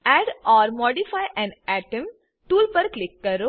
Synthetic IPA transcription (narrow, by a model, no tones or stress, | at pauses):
ɛɖɔːɾmɔːɖifajʔɛ̃nɛʈə̃m | ʈuːlpɐɾklɪkːɐɾo